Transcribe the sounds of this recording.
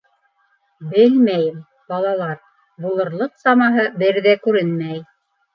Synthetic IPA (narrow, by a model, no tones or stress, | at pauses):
bɘlmæjɘm | bɑlˠɑlˠɑɾ | bulˠɤ̆ɾlˠɤqsɑmɑɦɤbɘɾðækʉɾɘnmæj